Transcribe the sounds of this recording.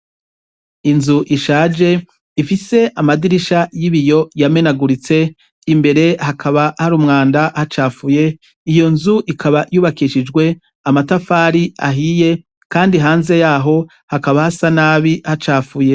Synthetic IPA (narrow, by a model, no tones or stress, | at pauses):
inzuʔiʃaːd͡ʒe̞ | ifise̞ʔamadiɾiʃajiβijo̞jame̞naɡuɾit͡se̞ | imbe̞ɾe̞hakʰaβahaɾuːmŋaːndahat͡ʃaːfuje̞ | ijo̞nzuʔikʰaβajuːβakiʃid͡ʒɡwe̞ | amatafaːɾia̰ɦije̞ | kaːndiɦaːnze̞jaːɦo̞ | hakaβahasanaːβihat͡ʃaːfuje̞